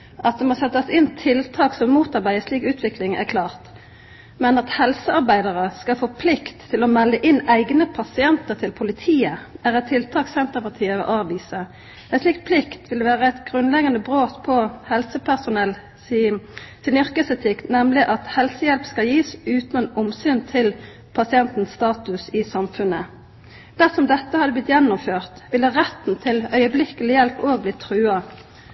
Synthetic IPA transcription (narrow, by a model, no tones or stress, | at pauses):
ʔɑt̪̚d̪ɛmɔsɛt̪ːəsɪnt̪ʰɪlt̪ʰɑːksɔmmuːt̪ɑʁbæɪəsliːkʉːt̪ʰʋɪklɪŋæ̰ʁkʰlɑːʁt̪ | mɛnɑt̪hɛlsəɑʁbæɪd̪əʁəskɑfoːpʰlɪkt̪ʰːɪlɔmɛlːəʔɪnːæɪɡnəpʰɑsɪɛnt̪əʁt̪ʰɪlpʰʊlɪt̪ʰiːəæʁɛt̪ʰːɪlt̪ʰɑːksɛnt̪əʁpɑʁt̪ʰiːəʋɪ̰ʔɑːʋiːsə | æɛsliːkpʰlɪkt̪ʰʋɪld̪ʋæːʁəɛɪt̪ɡʁʉnlɛɡɑnəbʁoːt̪pʰɔhɛlsəpʰæʁsʊnɛl | sɪnʏʁkəsɛt̪ʰɪkt̪nɛmlɪʔɑt̪hɛlsəjɛlpskɑljiːsʉːt̪nɛnɔmsyːnt̪ʰɪl | pʰɑsɪɛnt̪n̩st̪ɑːt̪ʉsɪsɑmfʉnə | d̪̥æʁsɔmd̪ɛt̪ːəhɑd̪ːəblɪt̪jɛnːʊmføːʁt̪ʋɪləʁɛt̪n̩t̪ʰɪlœʏəblɪkəlɪjɛlpoːɡ̚blɪt̪ʰʁʉːɑ